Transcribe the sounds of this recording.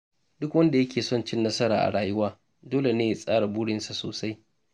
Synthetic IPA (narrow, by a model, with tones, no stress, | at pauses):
dʊ˦kwɐ˦nda˨jɐ˦kʲʰeː˨sɔ˦nt͡ʃɪ˦nːɐ˦sɐ˦ɾa̰ː˨ʔa̰˨ɽaː˨jʊ˦waː˦ | doː˦le˨neː˦ja˨sʼaː˦ɽa˨bʊː˦ɽɪ˦nsa˨soː˨sa˦j